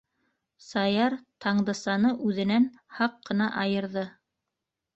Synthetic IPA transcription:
sɑjɑɾt̪ʰɑɴd̪ɤ̆sɑnɤʔʉðɘ̆næn | hɑqːɤ̆nɑʔɑjɤ̆ɾðɤ

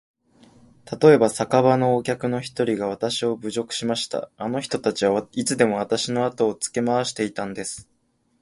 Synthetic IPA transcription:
t̪at̪o̞e̞basakaβano̞ːkʲakɯ̟no̞çi̥t̪o̞ɾʲiɡaβ̞at̪aɕio̞bɯ̟ʑo̞kɯ̟̥ɕimaɕi̥t̪a̰ːno̞çi̥t̪o̞t̪at͡ɕiβait͡sɨd̪e̞mo̞β̞at̪aɕino̞at̪o̞ːt͡sɨ̥ke̞maβaɕi̥t̪e̞it̪ãnd̪e̞sɨ̥

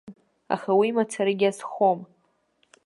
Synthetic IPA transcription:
a̰χawiːmat͡sʰaɾɨɡʲiasχom

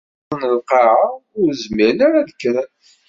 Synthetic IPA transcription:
nəlqɑʕaʊɾzməlaɾaðəkːɾˤən

